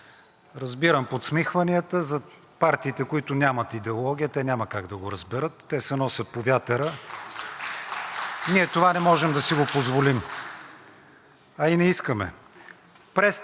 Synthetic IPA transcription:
ɾɐzbiɾəmpot̪smixvɐniət̪əzɐ | paɾt̪iːt̪ɛkʊit̪ʊnʲamət̪id̪ɛolˠɔɡ̟ʲijət̪ɛnʲaməkaɡd̪ɐɡoɾɐzbɛɾɤt̪ːɛsɛnɔsʲət̪̚povʲjat̪əɾə | niɛt̪ovanɛmɔʒɛmd̪ɐsiɡopozvolim | ɐinɛiskəmɛ̰ | pɾɛs

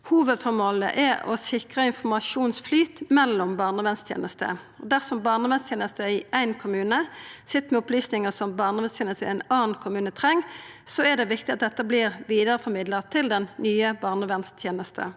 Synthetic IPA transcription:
huːʋəd̪fɔmoːlə̰ʔɛɔ̰sɪkʁəɪnfɔmɑʂuːnsflyːt̪mɛlːɔmbɑːʁnəʋɛnst̪ʰjḛːnəst̪ə̰ | ɔd̪æʁsɔmbɑːʁnəʋɛnst̪ʰjeːnəst̪əɪæɪnkʰʊmʉːnəsɪt̪ːmɛɔplyːsnɪŋəsɔmbɑːʁnəɔʋɛnst̪ʰeːnəst̪əɪæɪnɑːn̩kʰʊmʉːnət̪ʰʁɛŋːsɔɛd̪ɛʋɪkt̪ɪɑt̪̚d̪ɛt̪ːəblɪʁʋiːd̪əɾəfɔɾmɪd̪ləʁt̪ʰɪld̪ɛnnyːəbɑːʁnəʋɛnst̪ʰjeːnəst̪ʰə̰

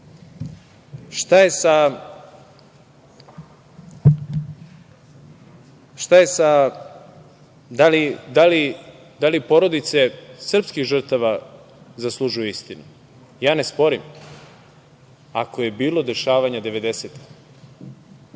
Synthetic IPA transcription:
ʃt̪aje̞sa | ʃt̪aje̞sa | d̪alid̪ali | d̪alipo̞ɾo̞d̪it̪se̞sr̩pskixʒr̩t̪aʋa | zaslˠuʒujuist̪inu | jaːnespo̞ɾim | a̰koje̞biːlo̞d̪e̞ʃaːʋaɲad̪e̞ʋe̞d̪e̞set̪i̥x

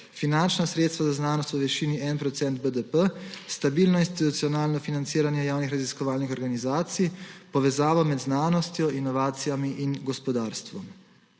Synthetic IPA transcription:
finant͡ʃnasɾet̪st̪ʋazaznaːnɔst̪ɔʋɛʃiːniɛnpɾɔt̪sɛnt̪̚bəd̪əpəst̪abilnɔinst̪it̪ut̪sijɔnaːlnɔfinant̪siːɾanjɛjaːwnixɾaziskɔʋaːlnixɔɾɡanizaːt̪sijpɔʋɛzaːʋɔmɛd̪znaːnɔst̪jɔinɔʋaːt̪sijamiʔinɡɔspɔd̪aːɾst̪ʋɔm

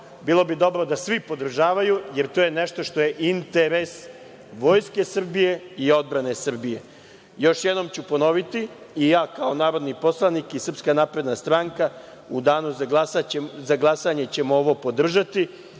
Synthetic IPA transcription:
bilˠo̞bid̪o̞bɾo̞d̪asʋipo̞d̪r̩ʒaːʋajuje̞ɾt̪ojeneʃt̪o̞ʃt̪o̞je̞ʔint̪e̞ɾe̞s | ʋo̞jske̞sr̩bije̞io̞d̪̚bɾane̞sr̩bije̞ | jo̞ʃjed̪no̞mt͡ɕupo̞no̞ʋit̪iijaːkaonaːɾo̞d̪nipo̞slˠanikisr̩pskanaːpɾe̞d̪nast̪ɾaŋka | ud̪aːnuzaɡlasazaɡlˠasaɲet͡ɕe̞mooʋo̞po̞d̪r̩ʒat̪i

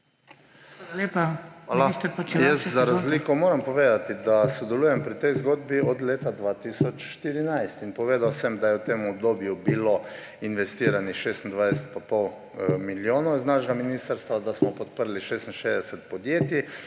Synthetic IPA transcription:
aaleːpaʋaːlaist̪pot͡ʃjɛst̪zaɾazzlikɔmoːɾampɔʋeːd̪at̪id̪asɔd̪ɛlujɛmpɾit̪ɛjzɡod̪biɔd̪leːt̪ad̪ʋaːt̪isɔt͡ʃʃt̪iɾinajst̪inpɔʋeːd̪awsɛmd̪ajɛwt̪eːmɔbd̪oːbjubilo | inʋɛst̪iːɾanixʃeːst̪n̩d̪ʋajsɛt̪̚papɔw | miljoːnɔznaʃɛɡaminiːst̪əɾst̪ʋad̪asmɔpɔt̪̚pəɾliʃeːst̪n̩ʃeːzd̪ɛsɛt̪pɔd̪jeːt̪i

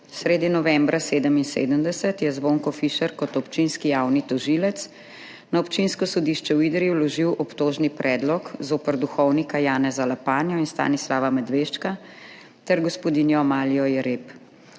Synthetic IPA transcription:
sɾeːd̪inɔʋɛmbɾaseːd̪əminsḛːd̪əmd̪ɛsət̪jɛzboŋkɔfiʃɛɾkɔt̪ɔpt͡ʃinskijawnit̪ɔʒilɛt̪s | naɔpt͡ʃinskɔsɔd̪iʃt͡ʃɛwiːd̪ɾiwlɔʒiwʔɔpt̪oːʒnipɾʔɛːd̪lɔkzoːpəɾd̪uxɔwnikajaːnɛzalapaːnjɔinst̪a̰ːnislaːʋamɛd̪ʋeʃt͡ʃka | t̪ɛɾɡɔspɔd̪injɔmaːlijɔjɛɾep

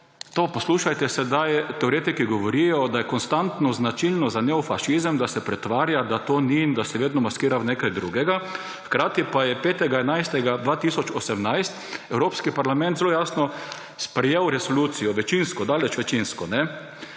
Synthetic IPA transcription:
t̪opɔsluːʃajt̪ɛsɛd̪ajt̪ɛoɾeːt̪ikiɡɔʋɔɾijɔd̪ajɛkɔnst̪ant̪nɔznat͡ʃilnɔzanɛɔfaʃizəmd̪asɛpɾɛt̪ʋaːɾjad̪at̪oːnind̪asɛʋeːd̪nɔmaskiːɾawnekajd̪ɾuɡɛɡa | xkɾaːt̪ipajɛpeːt̪ɛɡaɛnajst̪ɛɡad̪ʋaːt̪iːsɔt͡ʃɔsɛmnajst̪ɛwɾoːpskipaɾlamɛ̃nt̪zeloːjaːsnɔ | spɾɛjewɾɛsoluːt̪sijɔʋɛt͡ʃinskɔd̪aːlɛt͡ʃʋɛt͡ʃinskɔnɛ

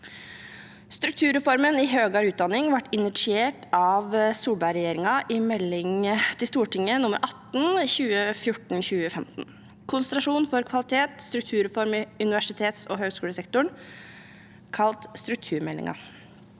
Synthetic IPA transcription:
st̪ɾʉkt̪ʰʉːɾɛfɔɾmənɪɦøːɡɑɾʉːt̪̚d̪ɑnːɪŋʋɑʈːɪnɪʂɪeːʈɑʋsuːlbɑʏɾɛjeːɾɪŋɑʔɪmɛlːɪŋt̪ʰɪlst̪uːʈɪŋːənʊmə̰ɾʔɑt̪n̩çʉːəfjʊʈɳ̩çʉːəfɛmt̪n̩ | kʰʊnst̪ɾɑʂuːnfɔɾkʰʋɑlɪt̪ʰeːt̪st̪ɾʉk̚t̪ʰʉːɾɛfɔɾmɪʉnɪʋæʂɪt̪ʰeːt̪sɔ̰ɦøːɡskʉːləsɛkt̪ʊɳ | kʰɑlt̪st̪ɾʉk̚t̪ʰʉːɾmɛlːɪ̰ŋʔɑ̰

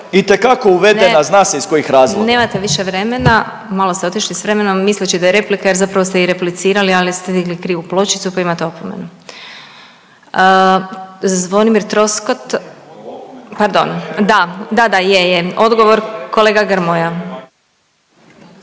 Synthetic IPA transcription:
it̪ekako̞uʋe̞dnenaznaːseisko̞jixɾaːzʋone̞ːmat̪eʋiʃeʋɾe̞me̞na | malo̞st̪eot̪iʃlisʋɾe̞me̞nomːislet͡ʃid̪ajeɾe̞plikaje̞ɾzapɾaʋost̪eiɾe̞plit̪siːɾalialist̪ed̪iɡlikɾiːuplˠo̞t͡ʃit̪supaimat̪eo̞pomḛnu | ə | zʋo̞nimiɾt̪ɾo̞skot̪ | paɾd̪o̞nd̪ad̪ad̪ajejeo̞d̪ɡo̞ʋo̞ɾko̞leːɡaɡɾmoja

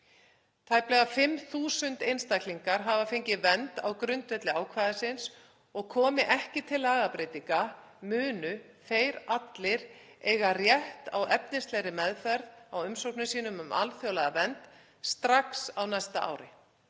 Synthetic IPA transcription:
t̪ʰaːjplɛɣafɪmθuːsʏnt̪ejnst̪akliŋkaɾ̥ɦavafeɲcɪvɛnt̪a̰wkɾʏnt̪vɛt̪lɪaːwkʰvaːðasɪns | ɔɣkʰɔːmɪʔɛhcɪt̪ʰɪlːaːɣapɾeːt̪iŋka | mʏːnʏ | feːjɾat̪lɪɾ | ɛjɣarjɛht̪a̰wʔɛpnɪnst̪lɛɾɪmɛðfɛɾðawʏmsownʏsiːnʏmʏma̰lθjoːwlaɣðavɛnt̪ | st̪ɾaksawnajst̪aa̰ːwɾɪ

